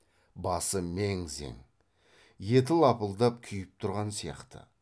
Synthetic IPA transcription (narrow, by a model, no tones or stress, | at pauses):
bɑsəmeŋze̞̰ŋ | je̞t̪̬ɪlˠɑpəlˠd̪ɑp̚kʲʰʏjɪp̚t̪ʰʊɾʁɑnsijɑ̰qt̪ə̰